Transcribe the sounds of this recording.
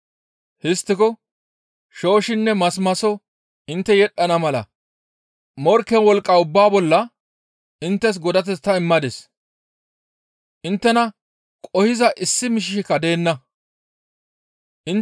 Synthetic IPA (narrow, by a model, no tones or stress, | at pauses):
hɪst̪ːɪkɔ | ʃo̞ːʃɪnːɛmɐsmɐsɔ | ʔɪnt̪ːɛjɛɗːɐnɐmɐlɐ̰ | mɔɾkːɛnwɔlkʼːɐʊbːaːbɔlːɐ | ɪnt̪ːɛs̬ɡɔd̪ɐt̪̬ɛt͡s̪ːɐɪmːɐd̪ɛs | ʔɪnt̪ːɛnɐ | kʼɔhɪzɐʔɪsːɪmɪʃ̬ɪʃɪkːɐd̪e̞ːnːɐ | ʔɪn